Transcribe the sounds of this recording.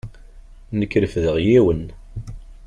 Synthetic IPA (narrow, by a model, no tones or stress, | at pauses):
nəkːɾəfðəʁjiwən